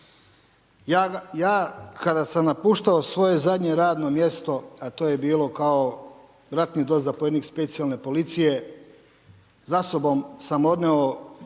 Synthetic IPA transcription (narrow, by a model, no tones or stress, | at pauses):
jajaːkad̪asamnapuːʃt̪aosʋo̞je̞zad̪ɲe̞ɾaːd̪no̞mje̞st̪o̞at̪oːje̞biːlo̞kao | bɾat̪nid̪oːzapoje̞d̪nikspet̪sijalne̞po̞lit̪sije̞ | zaso̞bo̞msamo̞d̪neo